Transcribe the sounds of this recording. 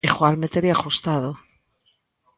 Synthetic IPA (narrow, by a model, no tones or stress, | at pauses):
exwaɾmet̪eɾiaxust̪aðo